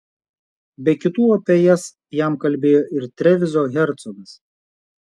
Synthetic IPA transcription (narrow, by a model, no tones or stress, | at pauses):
bʲɛkʲɪt̪uːɔpʲɛjɛs | jæˑmkɐlʲbʲeːjoːʔɪɾt̪ʲɾʲɛʋʲɪzoɣʲɛɾt̪sɔɡɐs